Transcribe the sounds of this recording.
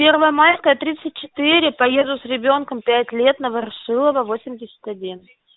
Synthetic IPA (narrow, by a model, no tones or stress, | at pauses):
pʲe̞rvəjəmajʲskəjət̪ɾʲit̪sɨt̚ʲt͡ɕɪ̥t̪ɨɾʲɪpɐje̞zd̪ʊsɾʲɪbʲo̞nkəmpʲætʲlʲe̞t̪nəvərʂɨlˠəvəvo̞sʲɪmʲdʲɪsʲə̥t̪ɐdʲin